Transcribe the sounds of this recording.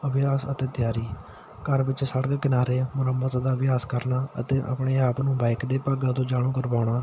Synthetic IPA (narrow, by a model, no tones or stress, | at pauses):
əbɪjaːsət̪eːt̪ɪjaːɾiː | kəɾʋɪt͡ʃsəɽɡkɪnaːɾeːmʊɾəmːət̪d̪aːbɪjaːskəɾnaːə̰t̪eːʔa̰pɳeːaːpnũːbaːɪkd̪eːpəɡãːt̪õːd͡ʒaːɽ̃õːkəɾbaːʊɳaː